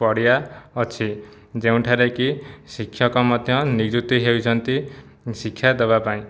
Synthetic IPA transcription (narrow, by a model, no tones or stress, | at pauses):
pɔɽjaʌt͡ʃʰi | d͡zeũʈʰaɾekisikʰjʌkɔmad̪ʱjʌniɡd͡ʒut̪iɦewt͡ʃʰʌnt̪i | sikʰːjad̪ɔbapaĩ